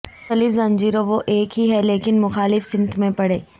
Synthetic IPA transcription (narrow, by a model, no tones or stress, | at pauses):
t̪ɐlɪfzɐ̃nd͡ʒiːɾoʋoʔeːkɦiɦɛleːkɪnmʊxaːlɪfsɪ̃mət̪ʰmẽpɐɽḛː